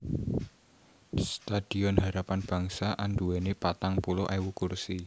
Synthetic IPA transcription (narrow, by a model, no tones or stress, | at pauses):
st̪ad̥i̤ɔnɦaɾapanb̥ä̤ŋsaʔanduwɛnepat̪aŋpuloʔawukursi